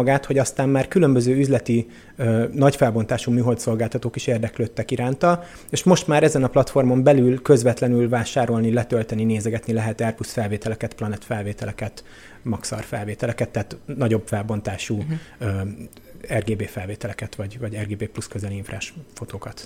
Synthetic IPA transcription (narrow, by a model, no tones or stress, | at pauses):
ɡaːt̪ho̞ɟɒst̪aːmːaːrkylø̞mbøzøːyzlɛt̪i | nɒcfɛlbo̞nt̪aːʃumyːɦo̞lt̪so̞lɡaːlt̪ɒt̪oːkiʃeːrd̪ɛkløːt̪ːɛkiɾaːnt̪ɒl | eːʃmo̞ʃt̪maːɾɛzɛnɒplɒt̪fo̞rmo̞mbɛlylkø̞zvɛt̪lɛnylvaːʃaːɾo̞lnilɛt̪ølt̪ɛnineːzɛɡɛt̪nilɛɦɛt̪ɛrpusfɛlveːt̪ɛlɛkɛt̪plɒnɛt̪fɛlveːt̪ɛlɛkɛt̪ | mɒksɒ̰rfɛlveːt̪ɛlɛkɛt̪ːaːt̪nɒɟo̞bfɛlbo̞nt̪aːʃuː | ɛrɡeːbeːfɛlveːt̪ɛlɛkɛt̪ʋɒɟvɒɟɛrɡeːbeːpluskøzɛliiɱfra̰ːʃfo̞t̪oːkɒt̪